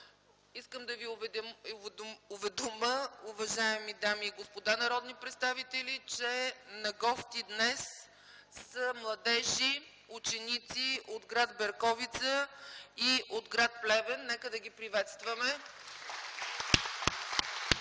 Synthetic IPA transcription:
iskəmd̪ɐvivɛ | ovɛd̪oməʊvɐʒaɛmid̪amiːɡospod̪anɐɾɔd̪nipɾɛt̪st̪avit̪ɛlit͡ʃɛnɐɡɔst̪id̪nɛs | səmlˠɐd̪ɛʒi | ut͡ʃɛnit̪siʔod̪ɡɾad̪bɛɾkɔvit̪səiʔod̪ɡɾat̪̚plɛvɛnːɛkəd̪ɐɡʲipɾivɛt̪st̪vəmɛ

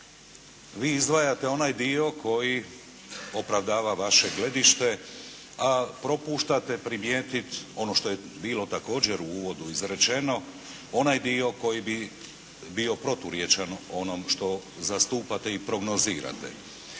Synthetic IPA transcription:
ʋiːizd̪ʋajat̪e̞o̞najd̪io̞kʰo̞ji | o̞pɾaʋd̪aːʋaʋaʃe̞ɡle̞d̪iʃt̪e̞ | apɾo̞puːʃt̪at̪epɾimjeːt̪it̪o̞no̞ʃt̪o̞je | biːlo̞t̪ako̞ːd͡ʑeɾuuːʋo̞d̪uizɾe̞t͡ʃe̞no̞ | o̞najd̪io̞ko̞jibi | bio̞pɾo̞t̪uɾje̞t͡ʃano̞nomʃt̪o̞zast̪uːpat̪eipɾo̞ɡno̞zḭːɾa̰t̪ḛ

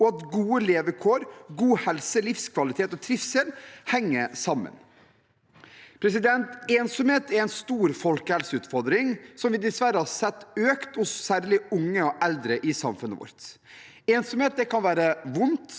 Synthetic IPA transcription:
ɔɑt̪ɡuːəleːʋəkʰoːɾɡuːhɛlsəlɪfskʰʋɑlɪt̪ʰeːt̪ɔt̪ʰɾɪfselhɛŋːəsɑmːə̰n | pʰɾɛs̬ɪd̪ɛnt̪eːnsɔmheːt̪ɛɾɛɪnst̪uːɾfɔlkəhɛlsəʉːt̪fɔɾd̪ɾɪŋsɔmʋɪd̪ɪsʋæɾəhɑsɛt̪ːøːkt̪hʊsːæːɾɭɪʊŋːəɔʔɛld̪ɾəʔɪsɑmfʉnəʋɔ̰ɾt̪ | eːnsɔmheːt̪̚d̪ɛkʰɑnʋæːɾəʋʊnt̪

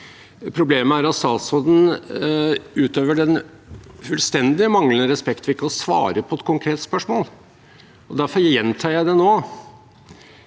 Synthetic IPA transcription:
pʰɾʊbleːməæɾɑt̪st̪ɑːt̪sɔd̪n̩ | ʉːt̪øːʋəɖɛn | fʉlst̪ɛnd̪ɪəmɑŋlənəɾɛspɛkt̪ʋɪkːəɔsʋɑ̰ːɾəpʰɔɛt̪̚kʰʊŋkʰɾeːt̪spœʂmoːl | ɔd̪æɾfɔɾjɛnt̪ʰɑːjæɪd̪ɛnoː

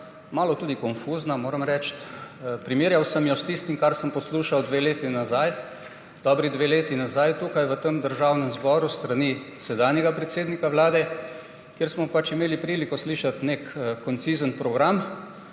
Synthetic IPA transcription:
maːlɔt̪uːd̪ikɔnfuznamoːɾəmɾɛt͡ʃt̪pɾimiːɾjawsəmjɔst̪ist̪imkaɾsəmpɔsluːʃawd̪ʋeːleːt̪inazaj | d̪̥ɔːbɾid̪ʋeleːt̪inazajt̪uːkajʋət̪əmd̪əɾʒawnəmzbɔɾust̪ɾanisɛd̪aːnjɛɡapɾɛt̪seːd̪nikaʋlaːd̪ɛ | kjeɾsmɔpat͡ʃimeːlipɾiːlikɔsliːʃat̪nekkːɔnt̪sizənpɾɔɡɾam

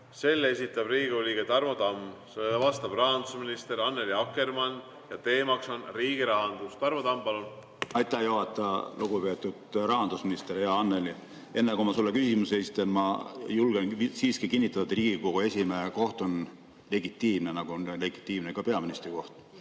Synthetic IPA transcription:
se̞lːe̞sʲit̪ːˑɑbriːɡeolʲiɡet̪ɑrmod̪ɑmːselvɑst̪ɑb̥rɑɦɑnd̪usminist̪eɾɑnːeliɑkːe̞rmɑn | jɑt̪e̞ːmɑkso̞nriːɡiɾɑɦɑnd̪ust̪ɑrmod̪ɑmpɑlun | ɑjt̪ːˑæhjoɦɑt̪ˑːɑluɡupe̞ːt̪ːˑud̪̥rɑɦɑnd̪̥usminist̪eɾjɑɑnːeli | e̞nːekomɑsulːekysimuseesit̪ːˑenmɑjulɡ̥ensiːskikinʲːit̪ːˑɑt̪ːud̪riːɡiko̞ɡ̥ue̞sʲimeko̞ht̪o̞n | le̞ɡit̪ːˑiːmnenɑɡ̥unle̞ɡ̥it̪ːˑiːmnekɑpe̞ɑminist̪ɾiko̞ht̪

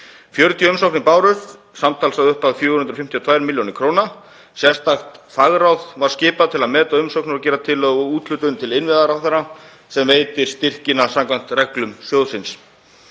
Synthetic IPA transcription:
fjœɾt̪ʰjʏʏmsowknɪpaːwɾʏθ | samt̪ʰaːlsaðʏhpaðfjʏːhʏnɾfɪm̥t̪ʰiɔt̪ʰvaːjɾmɪljoːnɪkʰɾoːwna | sjɛst̪axt̪faɣɾawðvaɾ̥scɪːpaðt̪ʰɪlaðmɛːt̪aʏmsowknʏɾacɛːɾat̪ʰɪlːɔɣʏuːt̪lʏt̪ʏnt̪ʰɪlɪnvɪðaɾawθaɾa | sɛmveːjt̪ɪ̥st̪ɪr̥cɪnasamkvajn̥t̪rɛklʏmsjowðsɪns

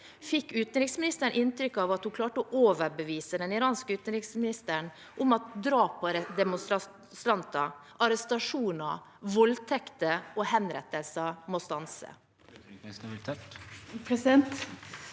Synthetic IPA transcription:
fɪkːʉːt̪ən̩ɾɪksmɪnɪst̪əɳʔɪnt̪ɾʏkːɑʋɑt̪hʊkʰlɑːʈəɔʔoːʋəbəʋiːsəd̪ɛnɪɾɑːnskəʉːt̪ənɾɪksmɪnɪst̪əɳ | ʔʊmɑt̪d̪ɾɑːpʰɔd̪ɛmʊst̪ɾɑ | st̪ɾɑnt̪ɑʔɑɾɛst̪ɑʂuːnɑ̰ | ʋɔlt̪ʰɛkt̪əɔhɛnɾɛt̪ːəlsəmost̪ɑnsə̰ | sb̪t̪ʰɛt̪pʰɾɛsɪd̪ɛnt̪

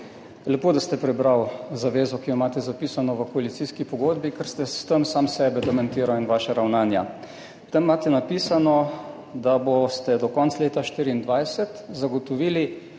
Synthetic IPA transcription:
lɛpoːd̪ast̪ɛpɾɛbɾawzaʋeːzɔkijɔimaːt̪ɛzapiːsanɔʋəkɔalit̪siskipɔɡoːd̪bikɛɾst̪ɛst̪əmsaːmsɛːbɛd̪ɔmɛnt̪iːɾawinʋaːʃaɾawnaːnja̰ | t̪ɛmːaːt̪ɛnapiːsanɔ | d̪abost̪ɛd̪ɔkɔnt̪sleːt̪aʃt̪iːɾiːnd̪ʋajsɛt̪zaɡɔt̪ɔʋiːli

